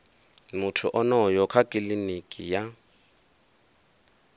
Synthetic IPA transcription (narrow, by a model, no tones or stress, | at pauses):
mʊtʰʊʔɔnɔjɔkʰakʼilinikʼija